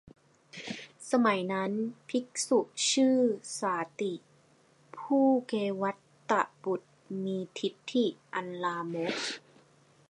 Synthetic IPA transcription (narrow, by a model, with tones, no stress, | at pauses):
sa˧ma˩˦jna˦˥npʰi˦˥k̚su˨˩ʔt͡ɕʰɯː˥˩saː˨˩˦t̪i˨˩ | pʰuː˥˩keː˧wa˦˥t̪ːa˧˩ʔbu˨˩t̪̚miː˧t̪ʰi˦˥t̪ʰːi˧˩ʔa˧nlaː˧mo˦˥k̚